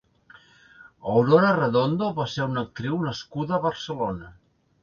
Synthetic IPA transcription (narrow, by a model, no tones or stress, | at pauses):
əwɾoɾərəðond̪oβaseunək̚t̪ɾiwnəskuðəːβəɾsəlonə